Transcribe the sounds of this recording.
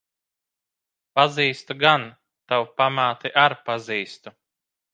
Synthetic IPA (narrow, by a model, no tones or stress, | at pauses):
paziːst̪uɡan | t̪awpamaːt̪iʔaɾpaziːst̪u